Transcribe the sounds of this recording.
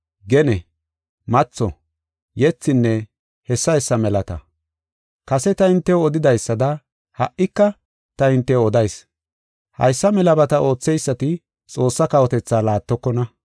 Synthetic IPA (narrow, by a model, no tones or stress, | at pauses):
ɡɛnɛ | mɐt͡sːɔ̰ | jɛt͡sːɪnːɛ | hɛsːɐhɛsːɐmɛlɐt̪ɐ̰ | kɐsɛt̪ɐɪnt̪ːɛwɔd̪ɪd̪ɐjsːɐd̪ɐ | hɐ̰ʔɪkːɐ | t̪ɐɪnt̪ːɛɔd̪ɐjs | hɐ̰jsːɐmɛlɐbɐt̪ɐʔo̞ːt͡sːɛjsːɐt̪ɪ | t͡sʼo̞ːsːɐkɐwɔt̪ɛt͡sːaːlaːt̪ːɔkːɔnɐ